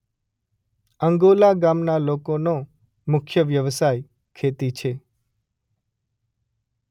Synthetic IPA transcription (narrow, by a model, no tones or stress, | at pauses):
əŋɡolaɡamnalokono | mʊkʰjəʋjəʋsaj | kʰet̪it͡ʃʰe